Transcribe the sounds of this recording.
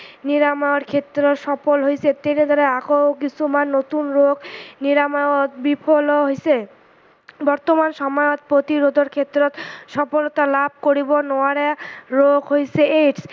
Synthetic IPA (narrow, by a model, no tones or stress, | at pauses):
niɾamaaɾkʰet̪ːɾoʃɔpolɦojsʰet̪ened̪ʱɔɾeakowkit͡ɕʰumanːot̪unɾoɡniɾamaot̪bipʰoloɦojsʰe | bɔɾt̪omanʃɔmajot̪̚pɾot̪iɾod̪ʱoɾkʰet̪ːɾot̪ʃɔpolot̪alab̚ʱkoɾibonɔaɾeɾoɡʱɦojsʰeeʈs